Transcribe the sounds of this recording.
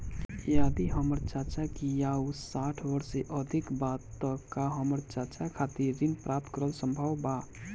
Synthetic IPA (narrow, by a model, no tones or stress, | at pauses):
jad̪iɦəməɾt͡ʃat͡ʃakijausaʈʰbəɾseʔəd̪ʱikbat̪ːəkaɦəməɾt͡ʃat͡ʃakʰat̪iɾːinpɾʔap̚t̪kəɾəlsəmbʱəwba